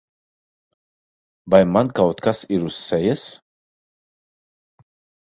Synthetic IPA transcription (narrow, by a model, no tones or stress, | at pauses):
bajmankawt̪kʰasiɾusːɛjɛs